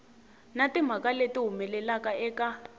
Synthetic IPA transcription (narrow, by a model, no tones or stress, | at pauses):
natim̤akaletiɦumɛlɛlakaɛːka